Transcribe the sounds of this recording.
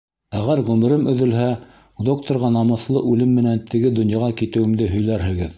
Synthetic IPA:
æʁæɾʁɵmɘ̆ɾɘmɵ̆ðɵ̆lɦæ | d̪o̞kt̪ŏɾʁɑnɑmɤ̆θlˠɤʔʉlɘmːɘ̆nænt̪ʰɘ̆ɡɘd̪ŏnjɑʁɑkit̪ɘ̆wɘ̆md̪ɘɦɵ̆jlæɾɦɘ̆ɡɘð

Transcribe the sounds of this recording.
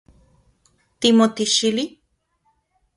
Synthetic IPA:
t̪imot̪iʃili

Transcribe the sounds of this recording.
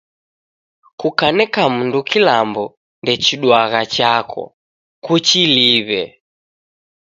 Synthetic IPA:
kukanɛkamundukilambɔ | ndɛt͡ʃiɗwaɣat͡ʃakʰɔ̰ | kut͡ʃiliβɛ

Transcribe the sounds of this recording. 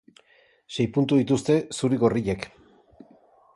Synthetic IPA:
ʃe̞jpunt̪uðit̪ust̪e̞suɾiɣo̞riʎe̞k

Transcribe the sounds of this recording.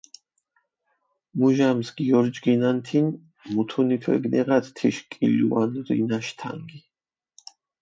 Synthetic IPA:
muʒamsɡiɔɾd͡ʒɡinant̪ʰin | mut̪ʰunit̪ʰwɛ̰ɡnɛʁad̪t̪ʰiʃkʼḭluwa̰nɾḭnaʃt̪ʰa̰ŋɡi

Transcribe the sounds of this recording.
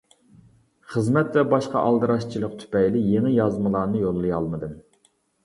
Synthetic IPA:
χəzmɛt̪vɛbɑʃqɑ̰ʔɑlˠd̪ɨɾɑʃt͡ʃʰilˠəq̚t̪ʰy̥pɛjlɪjeŋɪjɑzmɨlˠɑːnɨjolˠːɨjɑlˠmɨd̪ɨm

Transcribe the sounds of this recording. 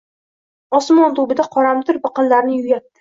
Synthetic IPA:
ɒsmɒnt̪ʰʊbɪd̪aqʰɒɾamt̪ʰɪɾbɨqɨllaɾnɪjʊɡʲat̪̚ːɪ̥

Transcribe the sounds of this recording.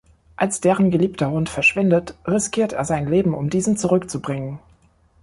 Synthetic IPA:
ʔalsd̥eːʁənɡəliːptɐhʊntfɛɐʃv̥ɪndətʁɪskʰiːɐteːɐzaɪnleːbm̩ʊ̰mdiːzn̩t͡suʁʏkt͡subʁɪŋən

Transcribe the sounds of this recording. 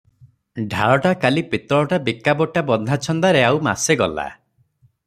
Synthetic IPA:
ɖʱaɭɔʈakalipit̪ɔɭɔʈabikabɔʈabɔnd̪ʱat͡ʃʰɔnd̪aɾeawma̰seɡɔla̰

